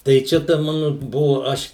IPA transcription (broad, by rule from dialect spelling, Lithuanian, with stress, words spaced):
tɐɪ ˈt͡ʃʲɛ tɐ ˈmɑːnʊ ˈbʊʋʊ ˈɐʃ